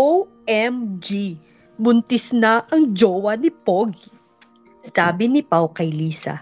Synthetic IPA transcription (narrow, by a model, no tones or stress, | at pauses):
ow | ɛmd͡ʒi | bʊnt̪ɪsnaʔɐŋd͡ʒoːwɐnɪpoɡ | saːbɪnɪpawkɐjliːsɐ̰